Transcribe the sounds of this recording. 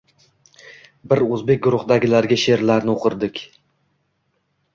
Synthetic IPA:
bɪɾɵzbe̞k̚ʲɡʊɾʊχd̪aɡʲɪlaɾɡʲɪʃe̞ɾlaɾnɪoqʰɨɾd̪ɪkʲ

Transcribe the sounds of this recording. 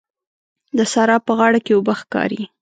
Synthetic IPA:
d̪əsaɾɑpəɣɑɽakewʊbəxkɑ̰ɾi

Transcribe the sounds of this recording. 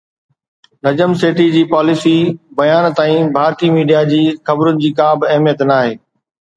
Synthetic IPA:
nɐd͡ʑəmseːʈid͡ʑiːpaːlɪsibɐjaːnt̪aːĩbʱaːɾt̪iːmiːɖijad͡ʑiːxɐbɾʊnɪ̆d͡ʑiːkaːbɐɦmijət̪naːɦeː

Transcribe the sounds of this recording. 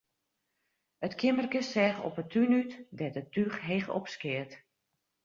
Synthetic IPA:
ətkʰɪmərkəsɛːxɔ̰pətʰynytdɛtətyxɦexɔ̰pskɪət

